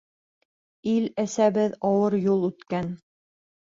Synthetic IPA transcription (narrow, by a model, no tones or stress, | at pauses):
ilæsæβɘðɑwɤɾjulˠʉt̪kæn